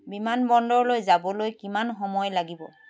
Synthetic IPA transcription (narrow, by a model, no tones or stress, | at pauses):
bimanbɔndɔɹlojzabɔlojkimanxɔmɔjlaɡibɔ